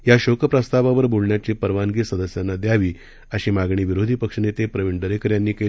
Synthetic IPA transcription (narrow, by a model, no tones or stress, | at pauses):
jaɕokəpɾəst̪aʋaʋəɾbʱolɳjat͡ɕipəɾʋanɡiːsəd̪əsjanːad̪jaʋiː | əɕiːmaɡɳiːʋiɾod̪ʱiːpəkʂənet̪epɾəʋiɳɖəɾekəɾjanːiːke